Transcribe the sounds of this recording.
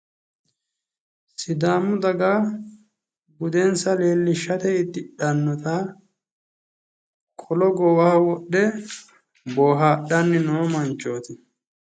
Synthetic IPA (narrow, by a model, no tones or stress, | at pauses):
sɪd̪aːmʊd̪ɐɡa | ɡʊd̪ɛnsɐle̞ːlːɪʃːɐt̪ɛɪt̪ːɪɗɐnːɔt̪a | kʼʰɔlɔɡɔwaːwɔɗːɛ | boːɦaːɗɐnːɪnoːmɐnt͡ʃːoːt̪ɪ